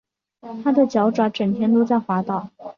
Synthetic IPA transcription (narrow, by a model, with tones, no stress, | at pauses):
t̪ʰa˥d̪ə˨t͡ɕjɑ˧˥ʊʈ͡ʂwa˧˥ʈ͡ʂə˨˩nt̪ʰjɛ˥nt̪wo˥t͡sa˥˩ɪxwa˧˥t̪ɑ˨˩˦ʊ